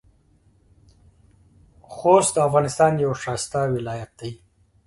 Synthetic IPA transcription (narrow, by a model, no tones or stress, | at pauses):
xost̪̚d̪əafɣɑnɪst̪ɑnjawʃɑst̪awɪlɑjat̪̚d̪̥aj